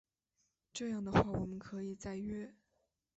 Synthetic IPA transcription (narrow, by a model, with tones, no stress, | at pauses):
ʈ͡ʂɤ˥˧jɑ˥˩ŋd̪ə˩xwa˥˩wɔ˨˩mə˦nkʰɤ˧˥i˨˩t͡sa˥˧ɪɥɛ˥˩